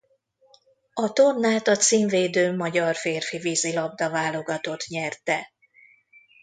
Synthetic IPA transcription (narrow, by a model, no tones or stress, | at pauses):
ɒt̪o̞nːaːt̪ɒt̪siːɱveːd̪øːmɒɟɒrfeːrfiviːzilɒb̚d̪ɒvaːlo̞ɡɒt̪o̞t̪ɲɛrt̪ɛ